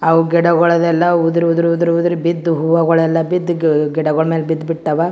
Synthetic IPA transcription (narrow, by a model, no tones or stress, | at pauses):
ɐʋuɡɛɽɐɡɔɭɐd̪ɛlːɐud̪ɾiud̪ɾud̪ɾiud̪ɾibid̪ːuɦuʋɐɡɔɭɐɛlːɐbid̪ːɡɛɽɐɡɔɭmeːlbid̪ːbiʈt̪ɐʋɐ